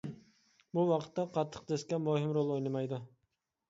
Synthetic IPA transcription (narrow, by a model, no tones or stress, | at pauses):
buwɑqʰə̥t̪ʰːɑqʰɑt̪ʰːə̥qd̪eskʲɛmoɦɨmɾolˠojnɨmɑjd̪u